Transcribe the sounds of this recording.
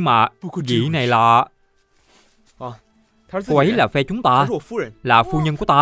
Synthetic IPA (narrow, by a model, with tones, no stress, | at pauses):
ɨ˧ŋmaː˨˩˧ɣḭ˧˩na˨˩jlaː˨˩˧ | ko˧ʔə˨˦jlaː˨˩fɛ˧t͡ɕʊ˨˦ŋ͡mt̪aː˧˨laː˨˩fu˧ɲə˧nku˧˩ət̪aː˧